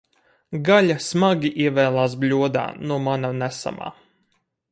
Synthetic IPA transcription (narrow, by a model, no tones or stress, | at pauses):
ɡalʲasmaɡʲiʔiɛvɛːlˠaːs̬blʲuɔd̪a̰ːnuɔmanamnæsa̰ma̰ː